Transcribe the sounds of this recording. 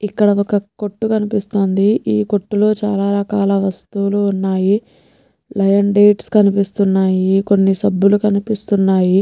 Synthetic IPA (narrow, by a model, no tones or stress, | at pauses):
ikːɐɽɐɔkɐko̞ʈːukɐnipist̪o̞ːnd̪iiːko̞ʈːulo̞ːt͡ʃaːlaːɾɐkaːlaːʋɐst̪uluːnːaːji | lɐjɐnɖeːʈskɐnipist̪unːaːjiko̞nːisɐbːulukɐnipist̪unːaːji